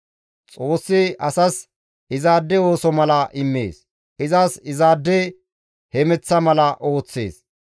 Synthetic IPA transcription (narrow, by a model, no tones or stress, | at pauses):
t͡sʼo̞ːsːɪʔɐsɐs | ɪzaːd̪ːɛo̞ːsɔmɐlɐʔɪmːḛːs | ʔɪzaːsɪzaːd̪ːɛ | hɛmɛt͡sːɐmɐlɐʔo̞ːt͡sːḛːs